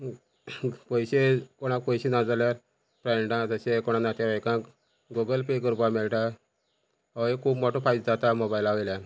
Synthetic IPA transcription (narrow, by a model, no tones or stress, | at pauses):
pəjɕekɔɽ̃ãk̚pəjɕinad͡zaljaɾ | pɾaɳɖãd͡zəɕekɔɽ̃ãnat̪jaʋajkãk | ɡoɡəlpekəɾupameɭʈa | aekʰuːbmɔʈopʰajt͡sd͡zat̪amobajlaʋəjljan